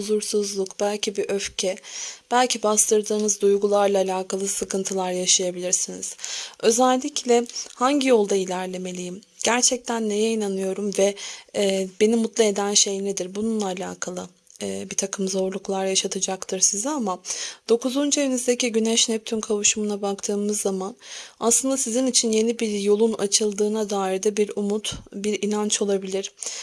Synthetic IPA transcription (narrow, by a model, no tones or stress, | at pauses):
uzuɾsuzlˠukb̥ælʲcʰibiʔøfcʰɛb̥ælʲcʰibaslˠɯɾd̪ɯːnɯzd̪ujɡulˠaɾlˠaːlʲaːkʰalˠɯsɯkɯnt̪ʰɯlˠaɾjaʃajabilʲiɾsiniz̥ø̞zælʲːiclʲɛhaɲɟijo̞lˠd̪ailʲæɾlʲe̞me̞lʲijim | ɟ̥æɾt͡ʃʰɛc̚t̪ʰænːe̞jɛinanɯjo̞ɾumvɛː | be̞nimut̪lˠɯe̞d̪ænʃe̞jnɛd̪iɾbununlˠaːlʲa̰ːkʰalˠɯː | bit̪ʰakʰɯmzo̞ɾlˠuklˠaɾjaʃat̪ʰɯd͡ʒakt̪ʰɯɾsizɛamad̪̥o̞kuzund͡ʒajenyzd̪eciɟynɛʃnɛp̚t̪ʰynkʰavuʃumunabakt̪ʰɯːmɯzːamanaslˠɯnd̪asizinit͡ʃʰinje̞nibiɾjo̞lˠunat͡ʃʰɯlˠd̪ɯːnad̪aːiɾd̪ɛbiɾumut̪biɾinant͡ʃo̞lˠabilʲiɾ̥